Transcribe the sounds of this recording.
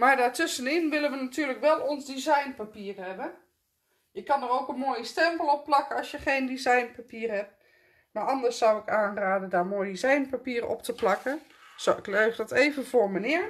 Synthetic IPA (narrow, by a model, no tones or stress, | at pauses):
maɹdaːɹtʏsənɪnʋɪlənʋənatʰyːləkʋɛlˠɔnzdizajnpapiːrhɛbə | jəkɑnərowkənmoːjəstɛmpəlˠɔpːlɑkəɔsjəχejndizajnpapiːrhɛp̚ | maɹɑndəɹsːawɪkaːnraːdədaːɹmoːjdizajnpapiəɾəɔ̰ptʰəplɑkə | soɪkløɥvdɔteːvənvoːɹmənɪəɹ